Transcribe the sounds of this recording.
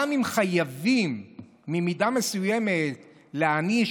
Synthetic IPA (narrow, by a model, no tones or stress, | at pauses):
amimχajavimː | imidame̞sujeme̞t | leani